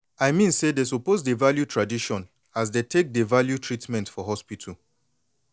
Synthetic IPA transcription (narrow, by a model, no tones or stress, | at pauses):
ajmĩnsedesupozdevaljutʰɹadiʃɔ̃n | asdetʰek̚devaljutʰɹitmɛ̃ntfɔɦɔspitʰəl